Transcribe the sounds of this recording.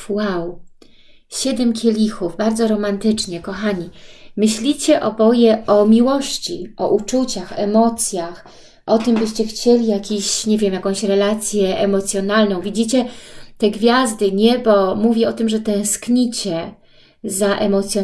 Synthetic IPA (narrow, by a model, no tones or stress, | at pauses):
waw | ɕɛd̪ɛmkʲʰelʲixuvbaɾdzɔɾɔmant̪ɘt͡ʂɲɛkɔxaɲimɘɕlʲit͡ɕɛʔɔbɔjɛɔmʲiwɔɕt͡ɕiʔɔ̰ʔut͡ʂut͡ɕaxɛmɔt̪sʲjax | ʔɔt̪ɘmbɘɕt͡ɕɛxt͡ɕelʲijakʲeɕɲevʲjɛmjakɔ̃w̃ɕɾɛlat̪sʲjɛʔɛmɔt̪sʲjɔnalnɔ̃w̃vʲid͡ʑit͡ɕɛt̪ɛɡvʲjazd̪ɘɲɛbɔmuvʲjɛɔt̪ɘmʐɛt̪ɛ̃w̃skɲit͡ɕɛ | zaʔɛmɔt̪sʲjɔ